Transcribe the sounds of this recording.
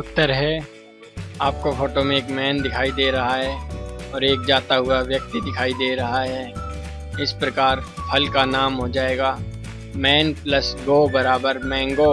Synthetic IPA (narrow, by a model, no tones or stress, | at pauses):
ʊt̪ːəɾɦɛ | aːp̚kofʰoːʈomẽeːkmɛːnd̪ɪkʰaːid̪eːɾɐɦaɦɛːɔːɾeːk̚d͡ʒaːt̪aɦʊaʋjɐk̚t̪id̪ɪkʰaːid̪eːɾɐɦaɦɛː | ɪspɾɐkaːɾpʰɐlkanaːmɦod͡ʒaːeːɡaː | mɛːnpləsɡoːbɐɾaːbəɾmɛ̃ːŋɡo